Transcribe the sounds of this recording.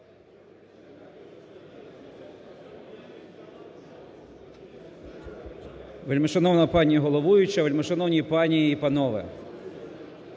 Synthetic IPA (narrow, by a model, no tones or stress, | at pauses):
ʋelʲmeʃɔnɔwnɐpɑnʲijɐɦɔlˠɔʋujʊt͡ʃɐʋelʲmeʃɔnɔwnʲipɑnʲijiːpɐnɔʋɪ̰